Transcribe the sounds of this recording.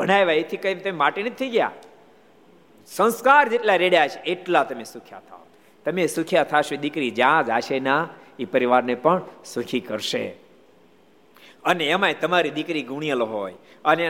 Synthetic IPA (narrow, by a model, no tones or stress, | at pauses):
bʱəɽ̃ajʋaet̪ʰikəjmt̪əmeʋaːʈinət̪ʰːəiɡja̰ | sə̃nskaːɾd͡ʒeʈlaɾeɽjat͡ʃʰeeʈlat̪ɐmesʊkʰja̰t̪ʰa̰o | t̪əmesʊkʰijat̪ʰaʃed̪ɪkɾid͡ʒãd͡ʒaːʃena | ipəɾiʋaːɾnepəɳsʊkʰikəɾʃḛ | əneəmaet̪əmaɾid̪ɪkɾiɡʱʊɽ̃ijəloɦoːjəne